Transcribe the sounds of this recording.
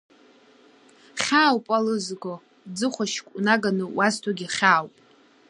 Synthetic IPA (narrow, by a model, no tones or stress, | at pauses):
χʲaːwpʼalɨzko | d͡zɨχʷaʃkʷʼunaɡanɨwʔaztʰaɡʲiχʲaːwpʼ